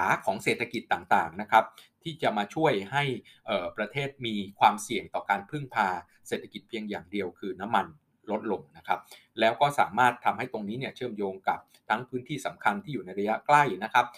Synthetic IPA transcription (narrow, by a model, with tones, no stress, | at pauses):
aː˩˦kʰɔː˩˦ŋseː˨˩t̪ʰːa˧ki˨˩t̪ːaː˨˩ŋt̪aː˨˩ŋna˦˥kʰa˦˥p̚t̪ʰiː˥˩t͡ɕa˨˩maː˧t͡ɕʰu˥˩əjɦa˥˩j | ʔɤː˨˩pɾa˧t̪ʰeː˥˩t̪̚miː˧kʰwaː˧msi˨˩əŋt̪ɔː˨˩kaː˧npʰɯ˥˩ŋpʰaː˧ | seː˨˩t̪ʰːa˧ki˨˩t̪̚pʰi˧əŋjaː˨˩ŋdi˧əwkʰɯː˧na˦˥mːa˧n | lo˦˥t̪̚lo˧ŋna˦˥kʰa˦˥p̚ | lɛː˦˥wkɔː˥˩saː˩˦maː˥˩t̪ʰːa˧mha˥˩jt̪o˧ŋniː˦˥ni˥˩t͡ɕʰɯ˥˩əmjoː˧ŋka˨˩p̚t̪ʰa˦˥ŋpʰɯː˦˥nt̪ʰiː˥˩sa˩˦mkʰa˧nt̪ʰiː˥˩juː˨˩na˧jɾa˧ja˦˥kla˥˩jna˦˥kʰa˦˥p̚